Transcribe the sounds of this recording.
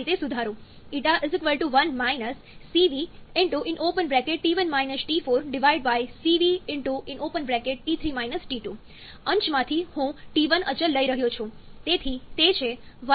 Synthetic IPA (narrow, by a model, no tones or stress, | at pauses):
it̪esud̪ʱaɾũ | iʈaʔɪzɪkʋəlʈuʋənmajnəsː | iʋiɪ̃ɳʈuʔɪ̃nʔopənbɾɛkeʈʈiʋənmajnəsʈifoɾɖɪʋaɪɖbajsiʋiɪ̃ɳʈuʔɪ̃nopənbɾɛkeʈ̚ʈit̪ʰɾimajnəsʈiʈu | ə̃ɲt͡ʃmãt̪ʰihũʈiʋənʔət͡ʃəlːəiɾəɦjõt͡ʃʰũt̪et̪ʰit̪et͡ʃʰeʋə